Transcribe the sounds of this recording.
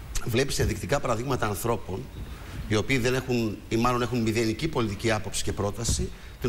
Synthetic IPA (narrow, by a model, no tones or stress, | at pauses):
vle̞pi̥seðikt̪ikɐpɐɾɐðiɣmɐt̪ɐːnθɾo̞po̞n | io̞piːðe̞ne̞xunimɐlo̞ne̞xunmiðenicipo̞lit̪iciɐpo̞psi̥ce̞pɾo̞t̪ɐsi | t̪i